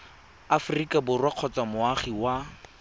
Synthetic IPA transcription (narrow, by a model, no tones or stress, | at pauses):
afʊrikʼabʊrwaq͡χʰɔt͡samʊaχiwa